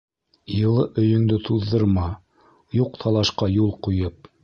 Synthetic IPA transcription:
jɤ̆lˠɤʔɵ̆jɵ̆ŋd̪ɘt̪ʰuðːɤ̆ɾmɑ | juq̚t̪ʰɑlˠɑʃqɑjulˠqujɤp̚

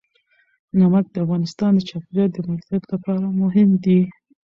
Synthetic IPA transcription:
namak̪̚d̪əafɣɑnɪst̪ɑnd̪ət͡ʃɑfɾjɑt̪̚d̪əmaɾt̪ɑd̪lapɑɾamʊɦɪmd̪i

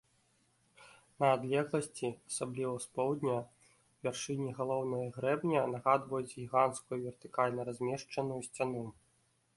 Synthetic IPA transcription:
nɐːd̪lʲɛɣlˠɐsʲt͡sʲiasablʲivɐspɔwd̪ʲnʲɐ | vʲɛrʂɨnʲiɣalˠɔwnɐjɐɣɾɛbnʲɐnɐɣad̪vɐjud͡zʲɣʲiɣant̪skujuvʲɛrt̪ɨkalʲnɐɾazʲmʲɛʂt͡ʂɐnujusʲt͡sʲanu

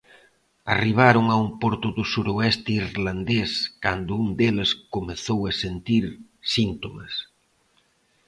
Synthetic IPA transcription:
a̰riβ̞aɾʊŋaumpɔɾt̪ʊðʊsuɾoɛst̪ɪirland̪eskand̪ʊund̪elɪskomeθowɐsent̪iɾ | sint̪omɐ̰s

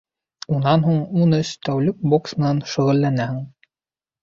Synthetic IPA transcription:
unɑnɦuɴunɘst̪æwlɘk̚boksmɘ̆nɑnʃɵ̆ʁɘ̆lːænæhɘ̆ŋ

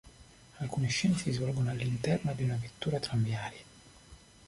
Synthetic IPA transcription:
alkuːniʃːinsizvɔlɡonoalːint̪ɛrnad̪iunavet̪ːuːɾat̪ɾamjaːɾja

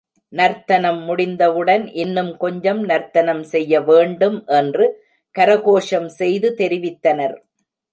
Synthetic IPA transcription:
nɐɾt̪ɐnɐmːʊɽɪnd̪ɐʋɯɽɐnʔɪnːɯmkɔɲd͡ʒɐmnɐɾt̪ɐnɐmsɛjːɐʋeːɳɖɯmʔɛndrɯ | kɐɾɐɣoːʂɐmsɛjðɯt̪ɛɾɪʋɪt̪ːɐnɐɾ

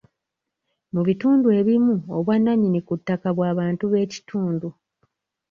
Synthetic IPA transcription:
muβituːndue̞ːβimuo̞̰βwanːaɲinikutːakaβwaːβaːntuβe̞ːci̥tʰuːndu

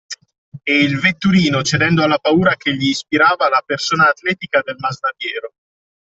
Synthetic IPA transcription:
eilvet̪ːuɾiːnot͡ʃed̪ɛnd̪oalːapauːɾakeʎːiːspiɾaːvalapersoːnaːt̪lɛːt̪ikad̪elmaznad̪jɛːɾo

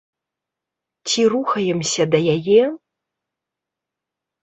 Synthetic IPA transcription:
t͡sʲiruxɐjɛmsʲɐd̪ɐjajɛ

